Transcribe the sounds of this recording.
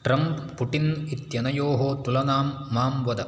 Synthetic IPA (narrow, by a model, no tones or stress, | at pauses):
ʈɾɐmppuʈinit̪jɐnɐjoːɦoːt̪ulɐnaːmːaːmʋɐd̪ɐ